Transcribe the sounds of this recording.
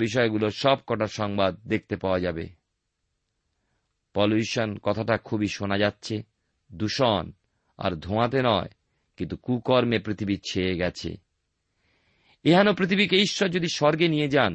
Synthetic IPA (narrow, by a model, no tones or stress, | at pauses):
biʃ̬ɔeɡuloʃɔb̚kɔʈaʃɔŋbad̪̚ːek̚ʰt̪epaoad͡ʑabḛ | pɔluʃonkɔt̪ʰaʈakʰubiʃonad͡ʑatːɕʰe | d̪uʃɔn | a̰ɾd̪ʱoãt̪̬enɔe | kint̪ukukɔɾmepɾit̪ʰibit͡ɕʰeeɡɛt͡ɕʰḛ | eɦanopɾit̪ʰibikeiʃːɔɾd͡ʑod̪iʃɔɾɡenijed͡ʑan